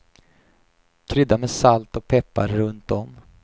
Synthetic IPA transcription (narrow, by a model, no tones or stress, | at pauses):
kʰɾʏd̪ːamɛsalt̪ɔk̚pʰɛpːa̰ɾːɵnt̪̚dɔm